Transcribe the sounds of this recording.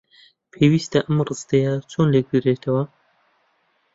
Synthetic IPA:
pʰeːwiːst̪ɐʔɐmrɨst̪ejat͡ʃʰoːnleɡiɾeːt̪ʰɐwɐ

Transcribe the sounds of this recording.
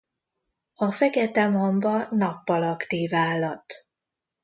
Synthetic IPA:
ɒfɛkɛt̪ɛmɦombɒnɒpːɒlɒkt̪iːvaːlːɒt̪

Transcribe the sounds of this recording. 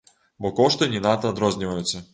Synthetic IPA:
bɔkɔʃt̪ɛnʲinat̪ad̪ɾɔznʲiʋajut̪sɛ

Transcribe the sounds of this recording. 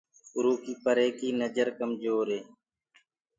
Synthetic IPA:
ʊɾuːkiːpəɾeːkiːnəd͡ʒəɾkəmd͡ʒoːɾeː

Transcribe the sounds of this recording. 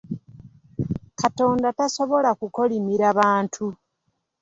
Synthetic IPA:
kato̞ːndataso̞βo̞lakuko̞limiɾaβaːntʰu

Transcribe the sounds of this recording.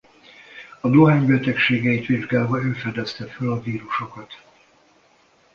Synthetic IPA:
ɒd̪oɦaːɲbɛt̪ɛkʃeːɡɛit̪ʋiʒɡaːlvɒøːfɛd̪ɛst̪ɛfølɒviːɾuʃo̞kɒt̪

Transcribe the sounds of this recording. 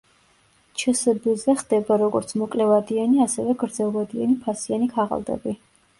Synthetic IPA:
t͡ʃʰɛsɛbɛzɛχd̪ɛbaɾɔɡɔɾt̪sʰmɔkʼlɛvad̪ianiasɛvɛɡɾd̪zɛlˠvad̪ianipʰasianikʰaʁa̰lˠd̪ɛ̰bi

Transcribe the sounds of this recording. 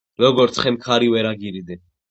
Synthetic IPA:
ɾɔɡɔɾt̪sʰχɛmkʰaɾiwɛɾaɡiɾid̪ɛ

